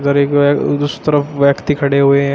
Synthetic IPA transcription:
d̪əɾekd̪ust̪əɾəfʰʋjəkt̪ikʰɐɽeɦue

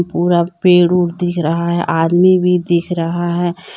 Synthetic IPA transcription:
puːɾapeːɽuːɾd̪ɪkʰɾəɦaɦɛʔaːd̪mibʱid̪ɪkʰɾɐɦaɦɛː

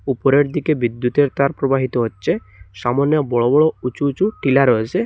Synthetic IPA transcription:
upoɾeɾd̪ikebid̪ːut̪eɾt̪aɾpɾobaɦit̪oɦotːʃʰe | ʃamɔnjɔbɔɭobɔɭout͡ʃuːt͡ʃuʈilaɾɔet͡ɕʰe

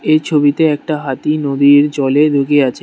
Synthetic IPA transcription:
eɾt͡ɕʰobit̪eɛk̚ʈaɦat̪inod̪iɾd͡ʑɔled̪ʱoɡeat͡ɕʰe

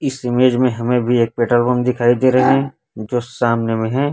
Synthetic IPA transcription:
ɪsɪmeːd͡ʒmẽɦɐmẽbʱieːk̚peːʈəlbõmd̪ɪkʰaːid̪eɾɐɦeɦɛ̃ | d͡ʒoːsaːmnemẽɦɛ̃ː

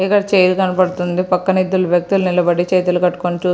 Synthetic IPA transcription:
ikɐɽɐt͡ʃeːjlukɐnɐpɐɽut̪und̪ipɐkːɐnid̪ːuluʋjɐk̚t̪ulunilɐbɐɽit͡ʃeːt̪ɐlukɐʈːu̥konit͡ʃuː

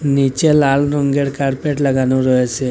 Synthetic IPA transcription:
nit͡ʃelalɾɔŋɡeɽkaɽpeʈləɡanũɾɔɦet͡ʃʰe

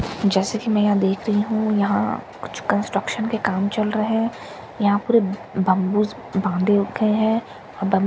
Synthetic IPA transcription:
d͡ʒɛːsekimɛ̃ːjɐɦãd̪eːkʰɾɐɦiɦũjɐɦã̰kʊt͡ʃkə̃nsʈɾəkʃənkekaːmt͡ʃɐlɾɐɦeɦɛ̃ | jɐɦãpuːɾebɐ̃mbuːz | bãːnd̪eɡɐeɦɛ̃ː | ɔːɾbɐ̃m

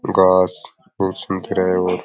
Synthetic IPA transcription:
ɡaːs | buːt̪sɐmt̪ʰiɾɐɦeoːɾ

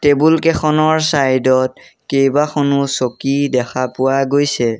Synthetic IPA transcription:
tebulkɛxɔnɔɹsajdɔt̚ | kejbaxʰɔnʊsokidɛxʰapʊwaɡojsɛ

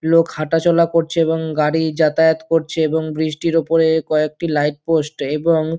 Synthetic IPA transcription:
lokhaʈat͡ɕɔlakoɾt͡ɕʰeeboŋɡaɽid͡ʑat̪aet̪koɾt͡ɕʰeeboŋbɾiʃʈiɾopoɾekɔek̚ʈilajʈ̚posʈeboŋ

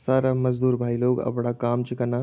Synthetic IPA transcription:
saːɾaməd͡ʒd̪uːɾbʱaːiloːɡɐ̰bɽakaːmt͡ʃikəna

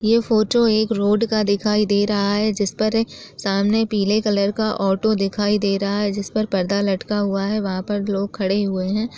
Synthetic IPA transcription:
jeːfoːʈoeːkɾoːɖkad̪ɪkʰaːid̪eːɾɐɦaɦɛd͡ʒɪspɐɾsaːmnepiːlekɐləɾkaʔɔːʈod̪ɪkʰaːid̪eːɾɐɦaɦɛd͡ʒɪspɐɾpɐɾd̪alɐʈkaɦʊaɦɛʋɐɦãpɐɾloːɡ̚kʰɐɽeɦʊeɦɛ̃ː

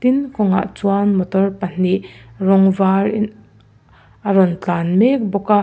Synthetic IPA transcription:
t̪inkɔŋa̰ʔt͡suanmɔt̪ɔrpɐn̥irɔŋvarin | ʔɐɾɔnt͡ɬaːnmɛk̚bɔka

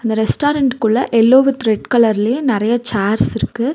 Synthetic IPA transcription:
ɐnd̪ɐɾɛsʈaːɾɐɳʈkɯɭːɐʔɛlːoːʋɯt̪ɾɛʈkɐlɐɾɪlɐjẽnɪɾɐjɐt͡ʃaːɾsɪɾɯkːɯ

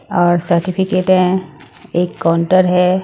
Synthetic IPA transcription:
ɔːɾsəɾʈipʰikeːʈɦɛ̃ | eːkːaʊɳʈəɾɦɛ

